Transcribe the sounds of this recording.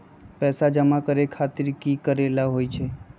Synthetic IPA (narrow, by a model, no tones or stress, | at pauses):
pɛːsad͡ʒəmakəɾekʰat̪ɪɾkikəɾelaɦojt͡ʃʰe